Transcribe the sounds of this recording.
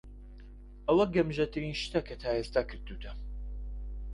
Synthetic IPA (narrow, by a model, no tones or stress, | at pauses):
ʔɐwɐɡɐmʒɐt̪ʰɨɾiːnʃt̪ɐkʰɐt̪ʰaːest̪aːkʰɨɾd̪ut̪ʰɐ